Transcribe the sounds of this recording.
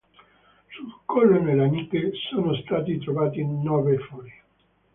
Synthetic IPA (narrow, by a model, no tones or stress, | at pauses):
sut̪ːukːɔlːonelːanikːesoːnost̪aːt̪it̪ɾovaːt̪inɔːvefɔːɾ